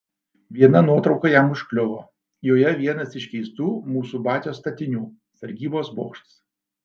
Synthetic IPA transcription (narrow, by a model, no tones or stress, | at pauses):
ʋʲiɛnɐnuɔt̪ɾɒʊkɐjɛmʊʃʲklʲʊʋoː | joːjɛʋʲiɛnɐsɪʃʲkʲɛɪst̪uːmuːsuːbɑːt̪ʲoːst̪ɐt̪ʲɪnʲuː | sɐɾʲɡʲiːboːsboːkʃt̪s